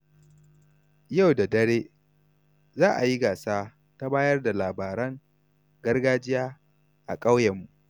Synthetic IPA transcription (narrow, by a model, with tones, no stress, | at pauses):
ja˦˨wda˨dɐ˦ɽeː˦ | zaː˦ʔa˨ji˦ɡaː˨saː˦ | ta˦baː˦jɐ˦rda˨laː˨baː˨ɾɐ˦ŋ | ɡɐ˦rɡaː˦d͡ʒɪ˦jaː˦ | ʔa˨kʼa˦wjɐ˨mːu˨ʔ